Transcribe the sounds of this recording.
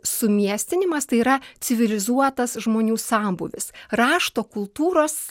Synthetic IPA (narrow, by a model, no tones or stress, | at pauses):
sʊmʲiɛsʲt̪ʲɪnʲɪmɐst̪ɐɪiɾɐt̪sʲɪʋʲɪlʲɪzuɔt̪ɐsʒmoːnʲuːsɑːmbʊʋʲɪ̰sɾɑːʃt̪oːkʊlˠt̪uːɾoːs